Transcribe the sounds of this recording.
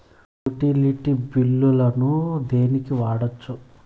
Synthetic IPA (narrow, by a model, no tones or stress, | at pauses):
juʈiliʈibilːulɐnud̪e̞ːnikiʋaːɽot͡ʃːu